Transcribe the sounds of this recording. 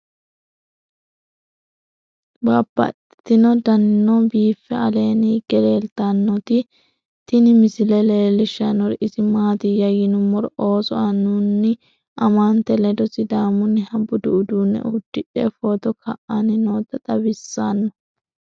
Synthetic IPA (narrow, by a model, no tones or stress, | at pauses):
baːbːɐ̰t̪ɪt̪ːɪnɔd̪ɐnnːɔbiːfːɛɐle̞ːniɡ̥ɛɾeːlt̪anːɔt̪ɪ | t̪ɪnɪmɪsɪlɛleːlɪʃːɐnːɔɾɪsɪmaːt̪ɪjɐjɪnʊmɔɾo̞ːsɔɐnːʊnːɪ | ʔɐmant̪ɛlɛd̪ɔsɪd̪aːmʊnːɪhɐbʊd̪ʊʔʊd̪uːnːɛ̰ʔʊd̪̥ːɪᶑɛfoːt̪ɔkʰɐ̰ʔɐnɪnoːt̪ːɐt̪ʼɐbɪsːaːnːɔ